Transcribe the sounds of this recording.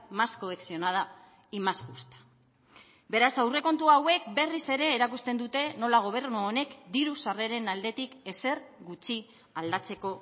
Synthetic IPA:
masko̞eksio̞nað̞a | imaspust̪ḁ | be̞ɾasawre̞ko̞nt̪uawe̞kbe̞rise̞ɾe̞ːɾakust̪e̞nd̪ut̪e̞no̞laɣ̞o̞β̞e̞rnuone̞kd̪iɾusare̞ɾe̞nald̪e̞t̪ike̞se̞rɡut͡ʃi | ald̪at͡se̞ko̞

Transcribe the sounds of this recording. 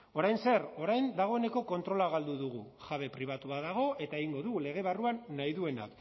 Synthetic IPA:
o̞ɾajnse̞ro̞ɾajnd̪aɣ̞o̞e̞ne̞ko̞ko̞nt̪ɾo̞laɣald̪uðuɣ̞uʝaβe̞pɾiβ̞at̪uaðaɣ̞o̞e̞t̪ae̞ɣiŋɡo̞ðuɣule̞ɣ̞e̞βaruanːajðue̞na̰k

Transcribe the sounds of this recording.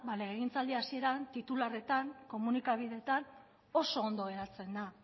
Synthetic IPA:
baleeɣ̞int͡sald̪iasie̞ɾant̪it̪ulare̞t̪aŋko̞munikaβiðe̞t̪an | o̞so̞ːnd̪o̞ɣe̞ɾat͡se̞nd̪a

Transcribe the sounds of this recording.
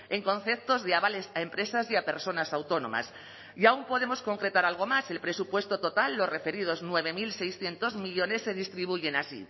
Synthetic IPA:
e̞ŋkõ̞n̟θe̞p̚t̪o̞zðeaβale̞saempɾe̞sasiape̞ɾso̞nasawt̪o̞nõ̞̰ma̰s | jaumpo̞ð̞e̞mo̞sko̞ŋkɾe̞t̪aɾalɣ̞o̞mase̞lpɾe̞supwe̞st̪o̞t̪o̞t̪alːo̞sre̞fe̞ɾið̞o̞znwe̞β̞e̞milse̞jsθje̞nt̪o̞zmiʎo̞ne̞sːe̞ð̞ist̪ɾiβ̞uʝe̞nasḭ

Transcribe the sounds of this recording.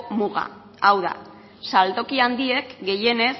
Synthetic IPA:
muɣa̰ | awða̰ | salt̪o̞kiand̪ie̞kɡe̞je̞ne̞s

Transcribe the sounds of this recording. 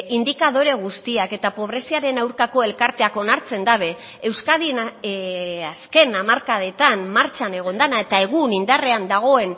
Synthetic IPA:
ind̪ikaðo̞ɾe̞ɣ̞ust̪iake̞t̪apo̞β̞ɾe̞siaɾe̞nawɾkako̞e̞lkaɾt̪e̞ako̞naɾt͡se̞nd̪aβ̞e̞ | ewskaðina | aske̞namaɾkaðe̞t̪anmaɾt͡ʃane̞ɣ̞o̞nd̪anae̞t̪ae̞ɣ̞unind̪are̞and̪aɣ̞o̞e̞n

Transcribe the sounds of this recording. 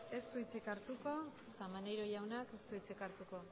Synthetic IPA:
e̞st̪uit͡sikaɾt̪uko̞ | kamanejɾo̞jawnake̞st̪uit͡sikaɾt̪uko̞

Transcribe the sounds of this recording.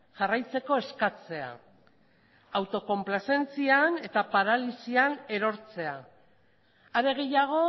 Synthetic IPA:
ʝarajt͡se̞ko̞e̞skat͡se̞a̰ | awt̪o̞ko̞mplase̞nt͡siane̞t̪apaɾalisiane̞ɾo̞ɾt͡se̞a | aɾe̞ɣ̞e̞jaɣ̞o̞

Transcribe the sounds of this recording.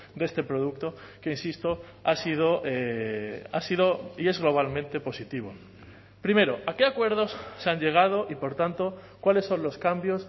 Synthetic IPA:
d̪e̞st̪e̞pɾoð̞uk̚t̪o̞ | keinsist̪o̞ | asið̞o̞ʔe | a̰siðo̞ie̞zɣlo̞β̞almẽnt̪e̞po̞sit̪iβ̞o̞ | pɾime̞ɾoʔake̞akwe̞ɾð̞o̞sːeaɲʎe̞ɣ̞að̞o̞ʔipo̞ɾt̪ant̪o̞kwale̞sːo̞nlo̞skambjo̞s

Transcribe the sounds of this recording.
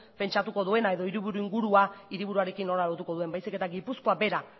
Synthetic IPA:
pe̞nt͡ʃat̪uko̞ðue̞nae̞ðo̞iɾiβ̞uɾuiŋɡuɾuaiɾiβuɾuaɾe̞kinːo̞lalo̞ɾt̪uko̞ðue̞mbajsike̞t̪aɡipusko̞abe̞ɾa

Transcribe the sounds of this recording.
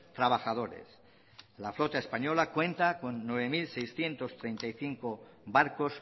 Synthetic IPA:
t̪ɾaβaxaðo̞ɾḛs | laflo̞t̪aespaɲo̞lakwe̞nt̪ako̞nːwe̞β̞emilsejsθje̞nt̪o̞st̪ɾe̞jnt̪ajθiŋkobaɾkos

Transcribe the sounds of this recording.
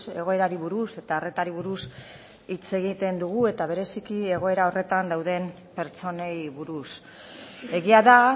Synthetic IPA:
e̞̰ɣ̞o̞e̞ɾaɾiβuɾuse̞t̪aːre̞t̪aɾiβ̞uɾus | it͡se̞ɣit̪e̞nd̪uɣ̞ue̞t̪aβe̞ɾe̞sikie̞ɣ̞o̞e̞ɾao̞re̞t̪and̪awð̞e̞m | pe̞ɾt͡so̞nejβuɾus | e̞ɣiaða

